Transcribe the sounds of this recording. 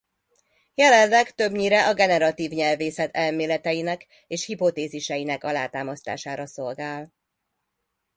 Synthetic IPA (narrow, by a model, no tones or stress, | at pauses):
jɛlɛnːɛɡt̪ø̞bɲiɾɛʔɒɡɛnɛɾɒt̪iːvɲɛlveːsɛt̪ʰɛlmeːlɛt̪ɛjinɛk | eːʃhipo̞t̪eːziʃɛjinɛkɒlaːt̪aːmɒst̪a̰ːʃaːɾɒso̞lɡaːl